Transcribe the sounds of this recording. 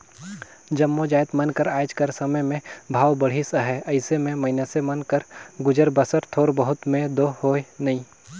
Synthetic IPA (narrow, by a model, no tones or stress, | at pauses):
d͡ʒɐmːod͡ʒaːjt̪mɐnkəɾaːd͡ʒkəɾsɐməjmẽbʱaːʋbəɽ̤isəɦɛɐɪsemẽmɐɪnasemɐnkəɾɡʊd͡ʒəɾbəsəɾt̪ʰoːɾbəɦʊt̪mẽd̪oːhoːenɐĩː